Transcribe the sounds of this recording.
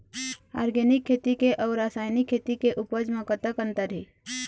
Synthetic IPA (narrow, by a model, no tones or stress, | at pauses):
a̰ɾɡenɪkʰːet̪ikeʔɔːɾasaːjnikʰːet̪ikeʔʊpəd͡ʒmə̃kət̪əkənt̪əɾɦi